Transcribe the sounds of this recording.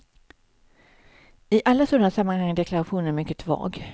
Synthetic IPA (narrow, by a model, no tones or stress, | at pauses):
ɪʔalːasɔd̪ənasamːanhaŋːəd̪ɛkʰlaɾaɧuːnənæɾmʏkːət̪ʰvɑ̰ːɡ